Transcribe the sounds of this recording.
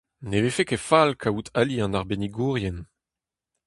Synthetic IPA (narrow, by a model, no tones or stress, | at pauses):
nevefekefalkʰautʰaliɑ̃naʁbeniɡuːʁjɛn